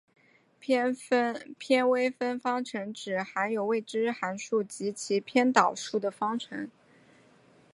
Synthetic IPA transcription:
pʰjɛ˥nwe˥ɪfə˥nfɑ˥ŋʈ͡ʂʰɤ˧˥ŋʈ͡ʂɻ̩˨˩xa˧˥njo˨˩ʊwe˥˩ɪʈ͡ʂɻ̩˥xa˧˥nʂu˥˩t͡ɕi˧˥t͡ɕʰi˧˥pʰjɛ˥nt̪ɑ˨˩ʊʂu˥˩d̪ə˩fɑ˥ŋʈ͡ʂʰɤ̰˧˥ŋ

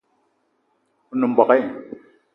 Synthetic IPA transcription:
u˨nu˨mbɔ˨kɛ˦

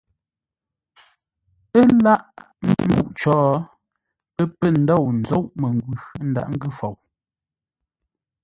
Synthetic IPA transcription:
ə˦la˦ʔ | mm̩˦bṵ˦˨ʔt͡ʃɔː˨˦ | pə˦pə˦˨n̩˨˦dɔ˦˨wn̩˨zo˦˨wʔme˨ŋ˨ɡwʉ˨n̩˦da̰˨ʔŋ̩˦ɡʉ˦fɔ˨w

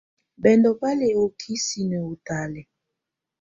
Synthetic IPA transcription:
bɛ˨ndɔ˨pa˦lɛ˨o˨kʰi˦si˨nɛ˨o˨ta˨lɛ˨

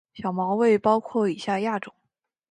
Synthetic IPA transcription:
ɕjɑ˨˩ʊmɑ˧˥ʊwe˥˩ɪpɑ˥ʊkʰwɔ˥˩i˨˩ɕja˥˧ja˥˩ʈ͡ʂʊ˨˩˦ŋ

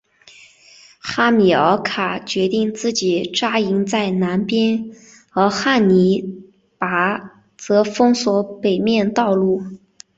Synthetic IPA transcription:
xa˥mi˨˩ə˧˥kʰa˨˩t͡ɕɥɛ˧˥t̪i˥˧ŋt͡sɹ̩˥˩t͡ɕi˨˩ʈ͡ʂa˥i˧˥ŋt͡sa˥˩ɪna˧˥npjɛ˥n | xɤ˧˥xa˥˩nni˧˥ | pa˧˥ | t͡sɤ˧˥fɤ˥ŋswɔ˧˥pe˨˩ɪmjɛ˥˧nt̪ɑ˥˧ʊlu˥˩

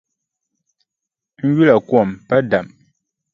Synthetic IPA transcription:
ŋ̩˦ɡi˦la˨kwɔ˦˨mpa˦da˨m

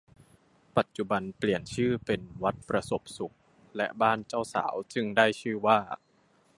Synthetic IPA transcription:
pa˨˩t̪̚t͡ɕu˨˩ba˧npli˨˩ənt͡ɕʰɯː˥˩pe˧nwa˦˥t̪̚pɾa˧so˨˩p̚su˨˩k̚ | lɛ˦˥ʔbaː˥˩nt͡ɕaː˥˩wsa̰ː˩˦wt͡ɕɯ˥˩ŋdaː˥˩jt͡ɕʰɯː˥˩waː˥˩

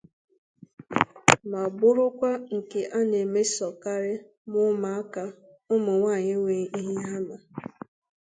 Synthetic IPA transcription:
ma˨bʊ˦ɾʊ˦kʷa˦ŋ̩˨ke˨ʔa˦ne˨me˦sɔ˨ka˦ɾɪ˦ | mʊ˦ma˨a˦ka˨ | ʊ˦mʊ˨ŋʷa˦˨ɲɪ˦ŋʷe˨i˦ɦi˦ɦa˦ma˨

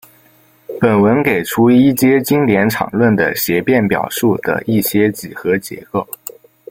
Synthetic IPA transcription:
pə˨˩nwə˧˥nke˨˩ɪʈ͡ʂʰu˧˥˧i˥˩t͡ɕjɛ˥t͡ɕi˥ŋljɛ˧˥nʈ͡ʂʰɑ̰˨˩ŋlwə˥˩nd̪ə̰˩ɕjɛ˧˥pjɛ˥˩npjɑ̰˨˩ʊʂu˥˩d̪̥ə̰˩ʔi˥˩ɕjɛ˥t͡ɕi˨˩xɤ˧˥t͡ɕjɛ̰˧˥ko˥˩ʊ

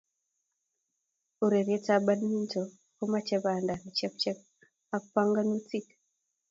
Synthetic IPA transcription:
u˨ɾe˨ɾje˦ta˦ba˦ni˦nto˨ | ko˦ma˦t͡ʃɛ˦βa˨nda˨ni˨t͡ʃɛ˦p̚t͡ʃɛ˦p̚ | a˦pa˦ŋɡa˦nut͡sit

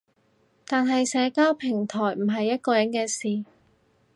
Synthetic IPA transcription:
t̪aː˨nɦɐ˨jsɛː˨˧kaː˥wpʰɪ˨˩ŋt̪ʰɔː˨˩jm̩˨˩ɦɐ˨jːɐ˥t̚kɔː˧jɐ˨˥nkɛː˧siː˨

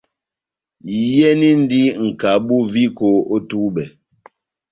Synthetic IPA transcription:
jɛ˦ni˦n˦di˦ŋ̩˨ka˨bu˦vi˦ko˨˦o˦tu˦bɛ˨

